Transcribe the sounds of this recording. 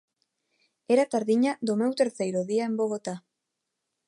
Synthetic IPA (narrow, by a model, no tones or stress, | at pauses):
e̞ɾat̪aɾðiɲad̪ome̞wt̪eɾt͡sajɾoðiaembo̞ɣot̪a